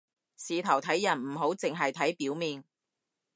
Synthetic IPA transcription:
siː˨˧t̪ʰɐ˨˩wt̪ʰɐ˨˥jːɐ˨˩nm̩˨˩ɦo˨˥wt͡sɪ˨ŋɦɐ˨jt̪ʰɐ˨˥jpiː˨˥wmiː˨n

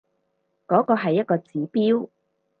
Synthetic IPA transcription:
kɔː˨˥kɔː˧ɦɐ˨jːɐ˥t̚kɔː˧t͡siː˨˥piː˥w

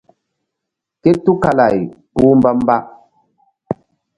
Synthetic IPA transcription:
ke˦tːu˦ka˨la˨jpuː˦m˦ba˦m˦ba˦

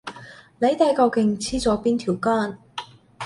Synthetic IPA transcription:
le˨˧jt̪ɛ˨˥kɔ˧wkɪ˧ŋt͡sʰiː˥t͡sɔː˨˥piː˥nt̪ʰiː˨˩wkɔː˥˩n

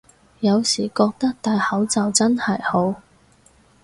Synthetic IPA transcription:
jɐ˨˧wsiː˨˩kɔː˧k̚t̪ɐ˥k̚t̪aː˨jhɐ˨˥wt͡sɐ˨wt͡sɐ˥nhɐ˨˩jho˨˥w

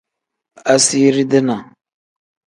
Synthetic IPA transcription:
a˨si˦ɾi˦dɪ˦na˨

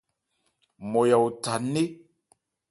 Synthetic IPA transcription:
mɔ˨ja˨wta˨ne˦

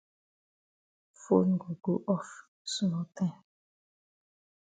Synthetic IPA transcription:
fo̰˦n˨ɡo˨ɡo˦ʔɔ˦f | su˦nɔ˨tɛ˦

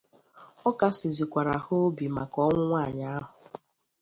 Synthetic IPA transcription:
ɔ˦ka˨sɪ˨zi˨kʷa˨ɾa˨ho˦bi˨ma˨kɔ˦ŋʷʊ˦ŋʷa˦˨ɲa˦a˦ɦʊ˨

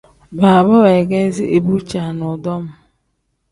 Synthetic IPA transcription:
ba˨bɔ˦we˨ɡe˦zi˦ʔe˨bu˦t͡ʃa˨nʊ˨dɔ˦m̩˦

